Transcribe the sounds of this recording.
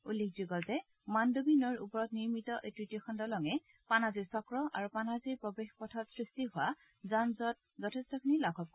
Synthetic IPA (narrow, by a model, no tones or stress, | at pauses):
ulːek̚zuɡɔltɛ | mandobinɔɹṵpɔɹɔtniɹmitɔʔetɹitijɔxʰɔndɔlɔŋɛ | panaziɹsɔkɹɔʔaɹupanaziɹpɹɔbexpɔtʰɔtsɹistiɦʊwa | zanzɔt̚ | zɔtʰestɔkʰinilaɡʰʱɔp̚k